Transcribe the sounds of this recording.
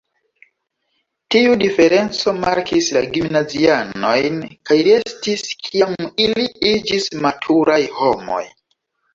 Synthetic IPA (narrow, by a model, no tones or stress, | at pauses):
tiudife̞ɾe̞nt͡so̞ma̰ɾkʰislaɡimnaziano̞̰jnkajɾe̞stiskʰijamiliid͡ʒismatʰuɾajho̞mo̞̰j